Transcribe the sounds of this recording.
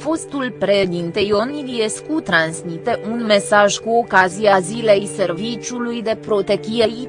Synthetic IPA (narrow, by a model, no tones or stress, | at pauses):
fo̞st̪ulpɾed̪int̪ejo̞nilijeskut̪ɾansmit̪e̞ʔunme̞saʒkuo̞kaziazile̞jse̞rvit͡ʃʲulujd̪e̞pɾo̞t̪e̞kijei